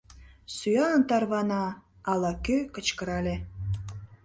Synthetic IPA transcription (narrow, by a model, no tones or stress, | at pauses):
syɑənt̪ɑrβɑnɑː | lɑkøkət͡ɕkəɾɑlʲe